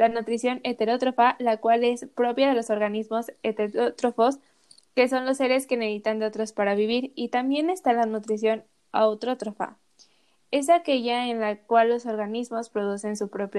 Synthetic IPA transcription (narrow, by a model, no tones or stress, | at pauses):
lanut̪ɾisjo̞ne̞t̪e̞ɾo̞t̪ɾo̞falakwale̞spɾo̞pjaðe̞lo̞so̞ɾɣanizmo̞set̪et̪ot̪ɾofo̞s | ke̞so̞nlo̞sːe̞ɾe̞ske̞neðit̪and̪eot̪ɾo̞spaɾaβ̞iβiɾit̪ambje̞ne̞st̪alanut̪ɾis̬jo̞n | awt̪ɾo̞t̪ɾofa̰ | e̞s̬ake̞ʝaenlakwalːo̞so̞ɾɣanizmo̞spɾo̞ðuse̞nsupɾo̞pj